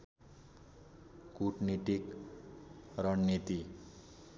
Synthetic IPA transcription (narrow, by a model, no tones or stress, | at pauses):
kuʈnit̪ik | rʌnːit̪i